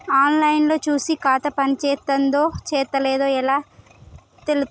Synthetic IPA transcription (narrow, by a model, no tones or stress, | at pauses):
aːnlɐjnlo̞ːt͡ʃuːsikaːt̪ɐpɐnit͡ʃɛːt̪ːɐnd̪oːt͡ʃɛːt̪ɐleːd̪o̞ːɛlaː | t̪elu